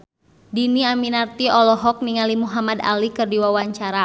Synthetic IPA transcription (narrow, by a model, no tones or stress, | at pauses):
diniaminart̪iɔlɔɦɔk̚niŋalimuɦamada̰likɨrdiwawaɲt͡ʃaɾa